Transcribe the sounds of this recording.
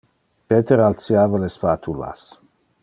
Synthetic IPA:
pet̪eɾalt͡sjaːvalespat̪ʰula̰s

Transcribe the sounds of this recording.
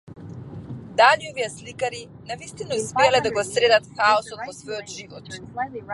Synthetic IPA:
d̪aʎiɔviaslikaɾi | navist̪inausmɛalɛd̪aɡɔsɾɛd̪at̪xaɔsɔt̪vɔsvɔjɔt̪ʒivɔt̪

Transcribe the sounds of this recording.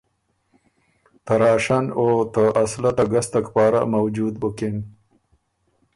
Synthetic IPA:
t̪aɾɑːʃanot̪əʔaslat̪aɡast̪akpɑːɾa̰mawd͡ʒud̪bʊkɪn

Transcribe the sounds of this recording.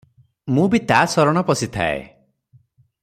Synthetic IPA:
mũbit̪asɔɾɔɽ̃ɔpɔsit̪ʰa̰ḛ

